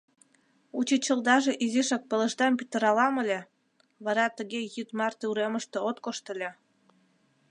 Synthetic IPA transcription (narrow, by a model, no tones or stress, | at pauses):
ut͡ɕit͡ɕəld̪ɑʒeʔiziʃɑk̚pələ̆ʃd̪ɑmpit̪əɾɑlɑməlʲe | βɑɾɑt̪əɣejyt̪mɑrt̪euɾeməʃt̪eot̪koʃt̪əlʲe